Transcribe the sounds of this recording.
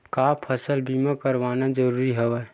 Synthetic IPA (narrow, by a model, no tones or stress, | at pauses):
kaːpʰəsəlbiːmakəɾʋaːnad͡ʒəɾuːɾiɦɛʋa